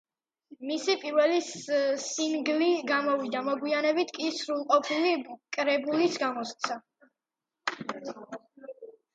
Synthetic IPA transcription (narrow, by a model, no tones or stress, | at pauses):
misipʼiɾvɛlisiŋɡliɡamɔvid̪amɔɡwianɛbit̪ʰkʼisɾulˠqʼɔpʰilikʼɾɛbulisɡamɔst̪sʰa